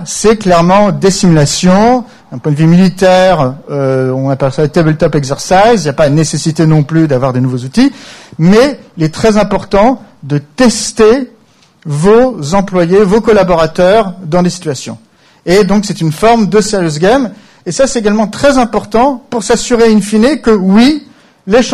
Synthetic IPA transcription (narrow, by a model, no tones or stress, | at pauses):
sɛklɛʁmɑ̃d̪esimylasjɔ̃ | d̪ɛ̃pwɛ̃d̪vymilit̪ɛʁøɔ̃napɛlsaət̪ebɛlt̪ɔpɛɡzɛʁsajziljapaənesesit̪enɔ̃plyd̪avwaʁd̪enuvozut̪imɛilɛt̪χɛzɛ̃pɔʁt̪ɑ̃d̪ət̪ɛst̪e | vozɑ̃plwajevokɔlabɔʁat̪œʁd̪ɑ̃d̪esi̥t̪ɥasjɔ̰̃ | ed̪ɔ̃ksɛt̪ynfɔʁmd̪əseʁjøzɡʲam | esasɛt̪eɡalmɑ̃t̪χɛzɛ̃pɔʁt̪ɑ̃puʁsasyʁeynfinekəwi | leʃ